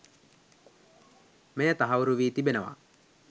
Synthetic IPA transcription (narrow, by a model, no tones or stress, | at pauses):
mejət̪aɦauɾuʋiːt̪ibenəʋa̰